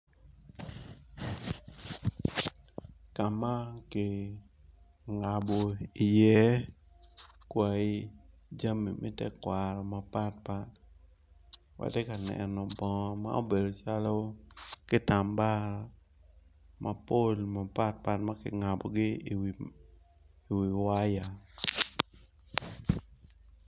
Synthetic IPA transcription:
ka˨ma˦kɪ˨ | ŋa˨bo˨i˨jɛ˦ | kwa˨i˦ | d͡ʒa˦mi˨mʔɛ̰˦tɛ˦kwa˨ɾɔ˨ma˨pa˦t̚pa˦t̚ | wa̰˨tɛ˦ka˨nɛ̰˨nɔ˨bɔ˨˦ma̰˦o˦be˨do˨t͡ʃa˦lo˦kɪ˦ta˨mba˦ɾɔ˨ | mʔa˨po˦lma˨pa˦t̚pa˦t̚ma˦kɪ̰˨ŋa˨bɔ̰˨ɡɪ˦ | i˨wi˨wa˦ja˨

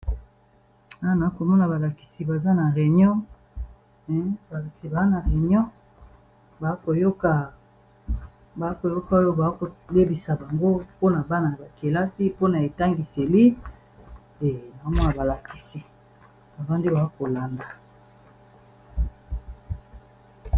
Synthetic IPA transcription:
a˦˨na˨˦ko˨mɔ˦na˨ba˨la˨ki̥˨si˨ba˨za˦na˨ʁe˨ɲɔ˦ | ɛ˨˦ba˨la˨ki˨ba˨za˦na˨ʁe˨ɲɔ̃˦ | ba˨˦ko˨jo˦ka˨ | ba˨˦ko˨jo˦ka˦jo˦ba˨˦ko˨le˦bi˨sa˨ba˨ŋɡo˦po˦na˨ba˦na˨ja˨ba˨ke˨la˦si˦po˦na˨e˨ta˦ŋɡi˨se˨li˦ | e˨na˨ko˦mɔ˦na˨ba˨la˨ki˨si˨ | ba˨ba˦ndi˦ba˨a˦ko˨la˨nda˨

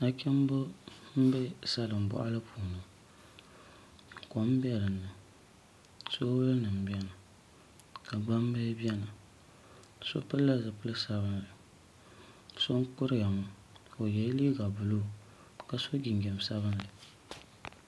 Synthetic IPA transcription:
a˨kʲɛ˦m˦bʊ˦m̩˦bɛ˦sa˦lɨ˨m̩˨bɔ̰˨ʔa˦lɨ˦pʰuː˨nɨ˨ | ko˨m˦bɛ˦ɾɨ˨nːɨ˨ | so˦wʊ˦lɨ˦nɨ˨m̩˨bi˦ɛ˦nɨ˨ | ka˨ɡ͡ba˦m˦bɨ˦bjɛ˦nɨ˨ | so̰˦pɨ˦lːa˦zɨ˨pɨ˦lɨ˦sa˦βɨ˦nlɨ˨ | so˦ŋ˦kʊ˦ɾɨ˦ja˨mʊ˨ | o˨jɛ˨˦liː˦ɡa˨bʊ˨lu˦˨ | ka˨so˦ɡʲi˨ŋɡɛ˨m˨sa˦βɨ˦nlɨ˨

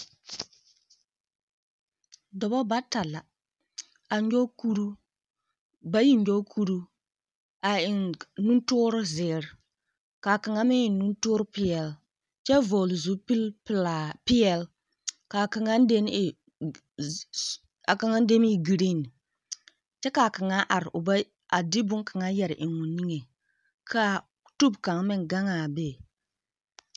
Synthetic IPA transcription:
dɔ˨bɔ˦ba˦ta˨la˨ | a˨ɲ˦d͡ʒo˦ku˦ɾu˦ | ba˦ji˦ɲ˦d͡ʒo˦kʰu˦ɾu˦ | a˨ɪ˨nnu˦n˦tʊ˦ɾʊ˦zɪ˨ɾ | ka˨ka˨ŋa˦mɪ˦ɪ˨nu˦ntʊ˦ɾpɪ˦ɛ˨l | t͡ʃɛ˦vɔ˨lzu˦pi˦lpla˨pi˦ɛ˨l | ka˨ka˨ŋa˦n˦de˦m˦˨ | a˨ka˨ŋa˦n˦de˦mi˦ɡi˨ɾi˦˨n˨ | t͡ʃɛ˦ka˨ka˨ŋa˦ʔa˨ɾʔʊ˨ba˦ | a˨di˦bʊ˦ŋka˨ŋa˦jɛ˨ɾʔɪ˨ŋːʊ˨ni˦ŋe˨ | kʰa˦ | tu˦bka˨ŋmɪ˦ŋɡa˦ŋa˨be˦˨

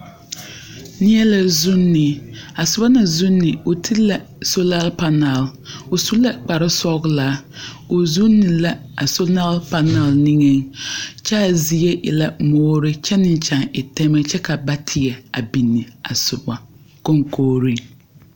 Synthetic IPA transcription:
nɪ˦ɛ˦la˨zʊ˦nːɪ˨a˨sʊ˨ba˦na˨zʊ˦nːɪ˨ʊ˨tʰi˦la˨ | so˦la˦lpa˨na˨lʊ˨su˦la˦k͡pa˨ɾɪ˦sɔ˦ɡlaː˨˦ | ʊ˨zu˦nːɪ˨la˨ | a˨so˦la˦lpa˨na˨lni˦ŋe˦ŋt͡ʃɛ˦a˨zi˨e˦ʔɪ̰˨la˨mɔː˦ɾɪ˦t͡ʃɛ˦nɪ˦n˦t͡ʃa˨ŋɪ˨tɛ˦mɛ˦t͡ʃɛ˦ka˨ba˦tʰɪ˨ɡɛ˨a̰˨bi˨nːɪ˨a̰˨sʊ˨ba˨ | ko˦ŋkʰoː˦ɾi˦

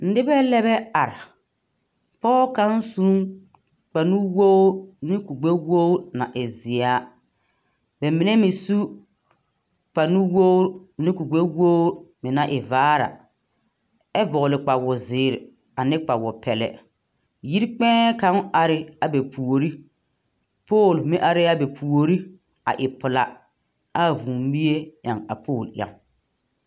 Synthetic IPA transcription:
n̩˦dɪ˦bɛ˦lɛ˦bɛ˦a˨ɾɪ˨ | pɔː˦ka˦n˦su˦ŋ | k͡pa˨nu˦woː˦nɪ˦ku˨ɡ͡be˦woː˦na̰˨ʔɪ˨zɪ˨a˨˦ | bɛ˨mi˨ne˦mɪ˨su˦ | k͡pa˨nu˦woː˦nɪ˦ku˨ɡ͡be˦wo˦mɪ˨na˨ʔɪ˨vaː˦ɾa̰˨ | ɛ˦bɔ˨lɪ˨k͡pa˨wʊ˨zɪː˨˦˨ɾɪ˨ | a˨nɪ˦k͡pa˨wɔ˨pɛ˨lɛ̰˨ | ji˦ɾk͡pɛ̃ː˦ka˦ŋ˦a˨ɾɪ˦a˨bɛ˨pʰu˨o˨ɾi˦ | poː˦˨lmɪ˦ʔa˨ɾɪ˦a˦bɛ˨pʰu˨o˨ɾi˦ | a̰˨ʔɪ˨pʊ˨la˨ | a˦˨vuː˨m˦bi˦je˦ja˨ŋa̰˨pʰoː˦˨lʔja̰˨ŋ

